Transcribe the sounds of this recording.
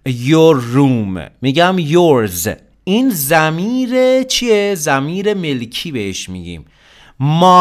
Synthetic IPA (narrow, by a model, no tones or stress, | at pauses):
joɾːuːmːiːɟæmjoɾz | iːnzæmiːɾet͡ʃʰiezæmiːɾe̞me̞lkʰiːbeheʃmḭːɟḭːm | mɒː